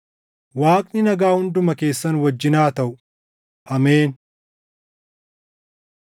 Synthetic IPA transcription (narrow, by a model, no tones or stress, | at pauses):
waːkʼnɪnɐɡaːhʊnd̪ʊmɐke̞ːsːɐnwɐd͡ʒːɪnaːt̪ɐʔʊ | ʔɐmeːn